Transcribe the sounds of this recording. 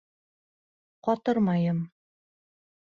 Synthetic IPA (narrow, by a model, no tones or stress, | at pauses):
qɒt̪ɤɾmɑjɤm